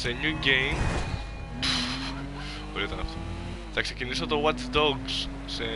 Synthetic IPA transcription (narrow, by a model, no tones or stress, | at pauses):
seɲuɟejm | oɾiot̪ɐnɐft̪o | θɐkse̞cinisot̪owɐt̪d̪oɡs | se